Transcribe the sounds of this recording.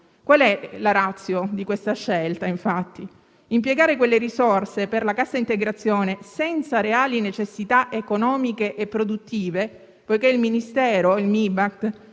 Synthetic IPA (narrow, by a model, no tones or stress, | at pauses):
kwalɛlaɾat̪sːjod̪ikwest̪aʃːelt̪aiɱfat̪ːi | impjeɡaːɾekwelːeɾisorseperlakasːaint̪eɡɾat̪sːjoːnesɛnt̪saɾeaːlinet͡ʃesːit̪aʔekonɔːmikeʔepːɾod̪ut̪ːiːve | pojkeilminist̪ɛːɾoilmibak̚t̪